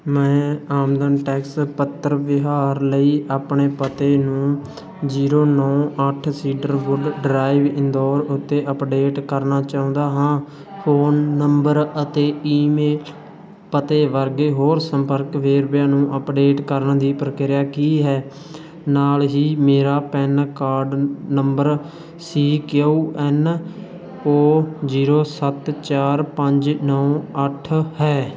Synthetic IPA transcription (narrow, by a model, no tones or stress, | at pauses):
mɛ̃ːaːmd̪ənʈɛːkspət̪ːəɾʋɪɦaːɾləiːʔaːpɳeːpət̪eːnũː | d͡ʒiːɾoːnɔːəʈʰsiːɖəɾbʊɖɖɾaːiʋɪ̃nd̪ɔːɾʊt̪ːeːʔəpɖeːʈkəɾnaːt͡ʃaːũːnd̪aːɦãː | fʰoːnːəmbəɾət̪eːiːmeːl | pət̪eːʋəɾɡeːɦoːɾsəmpəɾkʋeːɾbjaːnũːʔəpɖeːʈkəɾənd̪iːpɾəkɪɾɪjaːkiːɦɛː | naːlɦiːmeːɾaːpɛːnkaːɾɖnəmbəɾ | siːkouːɛːn | oːziːɾoːsət̪t͡ʃaːɾpəɲd͡ʒnɔːəʈʰhɛː